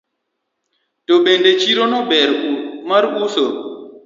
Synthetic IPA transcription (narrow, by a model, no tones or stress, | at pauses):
tobendet͡ʃiɾonɔbɛɾumaɾuso